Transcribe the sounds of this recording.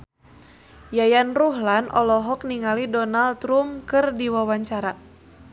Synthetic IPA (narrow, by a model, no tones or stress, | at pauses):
jajanruɦlanʔɔ̰lɔɦɔk̚niŋalidɔnalt̪ɾumkɨrdiwawaɲt͡ʃaɾa